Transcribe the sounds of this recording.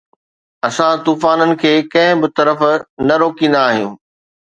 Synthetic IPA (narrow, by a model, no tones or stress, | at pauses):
ɐsãt̪uːfaːnənɪ̆kʰeːkɐ̃ɦɪ̃bɪt̪ɐɾəfnɐɾoːkĩːn̆d̪aːɦijũː